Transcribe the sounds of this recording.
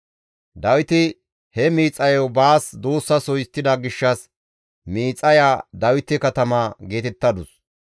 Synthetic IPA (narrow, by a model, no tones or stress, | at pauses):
d̪ɐwɪt̪ɪ | hɛmiːt͡sʼːɐjɔwbaːsd̪uːsːɐsɔjɪst̪ːɪd̪ɐɡɪʃːɐs | miːt͡sʼːɐjaːd̪ɐwɪt̪ːɪkɐt̪ɐmaːɡe̞ːt̪ɛt̪ːɐd̪ʊs